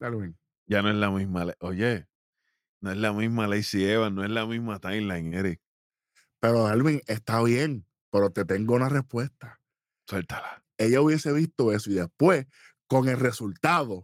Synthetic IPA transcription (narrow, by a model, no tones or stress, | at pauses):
d̪alβiŋ | d͡ʒanoelamizmaleʔoje | noeɦlamizmalejsieβanoeɦlamizmat̪ajnlaeŋeɾik̚ | pe̞ɾoðalβiŋe̞st̪aβje̞ŋ | pe̞ɾo̞t̪e̞t̪e̞ŋɡo̞unare̞hpwe̞st̪ḁ | swelt̪ḁla | e̞ʝauβje̞se̞βist̪o̞e̞soiðe̞spwe̞s | ko̞ŋe̞lre̞sult̪aðo̞